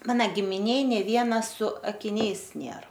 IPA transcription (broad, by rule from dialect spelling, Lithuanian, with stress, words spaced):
ˈmɑːnɐ ɡʲɪmʲɪˈnʲeːj nʲeː ˈʋʲiɛnɐ sʊ ɐkʲɪˈnʲɛɪs ˈnʲeːr